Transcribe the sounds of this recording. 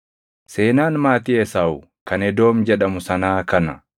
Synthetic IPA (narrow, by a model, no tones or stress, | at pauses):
seːnaːnmaːt̪ɪɛsaːʊ | kɐnɛd̪o̞ːmd͡ʒɛᶑɐmʊsɐnaːkɐnɐ